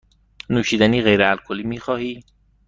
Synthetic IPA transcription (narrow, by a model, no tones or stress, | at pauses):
nuːʃiːd̪æniːɣejɾeælkʰoliːmiːxɒːhiː